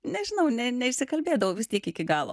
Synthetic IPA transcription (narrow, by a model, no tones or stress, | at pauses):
nʲɛʒʲɪnɐʊnʲɛnʲɛɪʃʲsʲɪkɐlʲbʲeːd̪ɐʋoːʋʲɪst̪ʲiɛkɪkʲɪɡɑːlˠo̰